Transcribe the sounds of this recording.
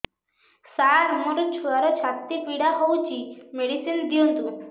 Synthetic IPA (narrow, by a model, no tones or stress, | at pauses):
saɾmoɾt͡ɕʰuaɾɔt͡ɕʰat̪ːipiɽaɦowt͡ɕʰimeɽisind̪iũnt̪u